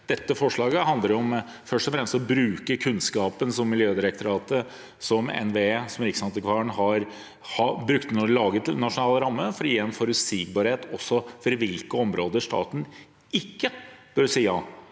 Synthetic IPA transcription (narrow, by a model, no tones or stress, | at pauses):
d̪̥ɛt̪ːəfɔʂɭɑːɡəhɑnd̪əɾɔm | fœʂʈɔfɾɛmst̪ɔbɾʉːkəkʰʉnskɑːpənsɔmːɪljøːd̪ɪɾək̚t̪ʰʊɾɑːt̪ə | sɔmɛ̰nʋeesɔmɾɪksɑnt̪ɪkʰʋɑːɳɦɑɾ | hɑbɾʉkt̪nulɑːɡət̪nɑʂʊnɑːləɾɑmːəfɔɾjɛnfɔɾʉsiːɡ̚bɑːɾheːt̪ɔsːɔfɔɾʋɪlkəɔmɾoːd̪əʂʈɑ̰ːt̪n̩ | ɪkːəb̥œɾsiːjɑː